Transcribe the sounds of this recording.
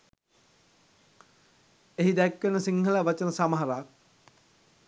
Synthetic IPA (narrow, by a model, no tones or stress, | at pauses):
eɦid̪ækʋenəsiŋhəlaʋat͡ʃənəsamaɦaɾaːk̚